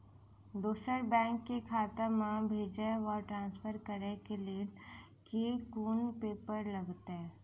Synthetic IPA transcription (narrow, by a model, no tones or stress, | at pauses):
d̪uːsəɾbɛ̃ːŋkːekʰaːt̪əmãbʱeːd͡ʒeɔːʈɾãːnsfʰəɾkəɾekelie | kekuːnpeːpəɾlɐɡt̪ɛ̃ː